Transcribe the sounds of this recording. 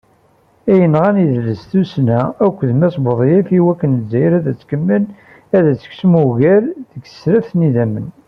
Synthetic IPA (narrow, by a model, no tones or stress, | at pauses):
æjənʁæniðləsθusnæækʷːðmæsboðˤjifiwækːənzːæjɾæðæt͡sːkəmːən | æðæt͡sːə̥ksmuɣæɾðəɡə̥sɾæfθniðæmːə̰n